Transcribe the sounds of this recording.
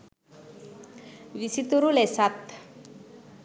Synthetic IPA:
ʋisit̪uɾulesat̪

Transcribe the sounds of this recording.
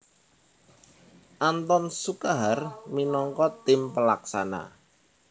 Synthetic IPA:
ʔant̪ɔnsukaɦarminɔŋkɔt̪ɪmpəlaksana̰

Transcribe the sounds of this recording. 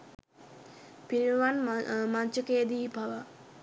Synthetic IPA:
piɾiʋanmaɲt͡ʃəkejd̪iːpaʋa

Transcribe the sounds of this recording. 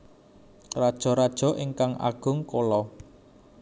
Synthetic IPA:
rad̥ʒ̥ɔ̤ɾad̥ʒ̥ɔ̤ʔiŋkaŋʔa̰ɡ̥ʊ̤ŋkolɔ

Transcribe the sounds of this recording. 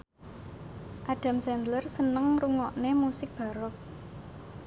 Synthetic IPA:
ʔaɖ̥a̤msɛnd̪lərsənəŋruŋɔʔnemusɪk̚b̥ä̤ɾʊk̚

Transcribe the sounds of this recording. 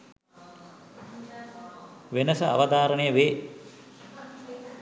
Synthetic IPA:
ʋenəsɐa̰ʋəd̪aːɾənəjəʋeː

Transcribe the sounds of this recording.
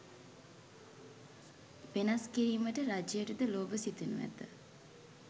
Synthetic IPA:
ʋenaskiɾiːməʈəɾad͡ʒejəʈəd̪əloːbəsit̪unṵʋæ̰t̪ə̰

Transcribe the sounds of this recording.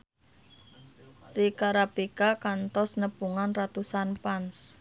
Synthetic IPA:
rikaɾapikakant̪ɔsnəpuŋanrat̪usanpans

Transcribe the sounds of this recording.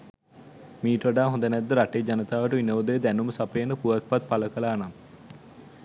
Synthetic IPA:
miːʈəʋaɖaːɦõnd̪ənɛd̪ːəɾaʈed͡ʒanət̪aːʋəʈəʋinəʋəd̪əjəd̪ænuməsapəjənəpuʋat̪̚pat̪̚paləkəlaːnam

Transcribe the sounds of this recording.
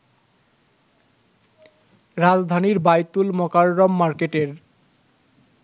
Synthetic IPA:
ɾad͡zd̪ʱaniɾbajt̪ulmɔkaɾːɔmːaɾkeʈeɾ

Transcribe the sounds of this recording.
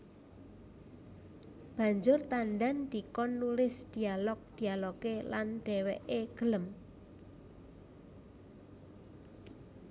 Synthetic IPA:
b̥ä̤ɲd͡ʒʊrt̪anɖand̪̥ikɔnːulɪsd̪̥i̤alɔk̚d̪̥i̤alɔkelanɖ̪̥ɛ̤wɛʔeɡ̥ə̤ləm

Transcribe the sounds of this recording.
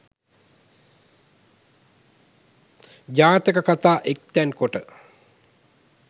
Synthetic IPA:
d͡ʒaːt̪əkəkat̪aːʔek̚t̪ænkoʈə

